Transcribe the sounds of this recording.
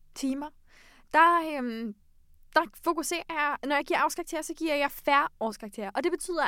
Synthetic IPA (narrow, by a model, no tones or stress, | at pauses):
t͡sʰiːmɐ | d̥ɑ̈øm | d̥ɑ̈fo̝kuse̝̰ːɐjɑnɒjɑɡ̥iɐ̰ɑ̈ʊskʰʁɑ̈ɡ̥̚t͡sʰe̝ɐɐsɒ̽ɡ̥iɐ̰jɑ̈ɪfæɐɒːskʰʁɑ̈ɡ̥̚t͡sʰe̝̰ɐɐʔɒ̽d̥e̝b̥e̝t͡sʰy̰ːð̰ˠɐ